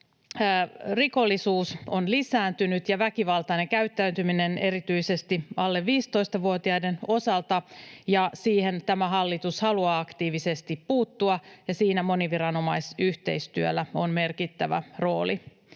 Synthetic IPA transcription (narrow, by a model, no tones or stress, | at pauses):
riko̞lːisuːso̞nlisæːnt̪ynyt̪jɑʋækiʋɑlt̪ɑine̞ŋkæyt̪ːæːnt̪ymine̞ne̞ɾit̪yise̞st̪iɑlːe̞ʋʋiːst̪o̞ist̪ɑʋuot̪iɑjde̞no̞sɑlt̪ɑjɑsiːhe̞nt̪æmæɦɑlːit̪ushɑluɑːɑkt̪iːʋisest̪ippuːt̪ːuɑjɑsiːnæmo̞niʋiɾɑno̞mɑjsyht̪e̞jst̪yølːæo̞nme̞rkit̪ːæʋæ̰ro̞ːli